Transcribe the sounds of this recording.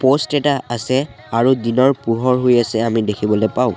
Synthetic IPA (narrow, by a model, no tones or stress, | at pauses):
postɛtaasɛ | aɹudinɔɹpuɦɔɹɦojasɛamidekʰibɔlojpaʊ̃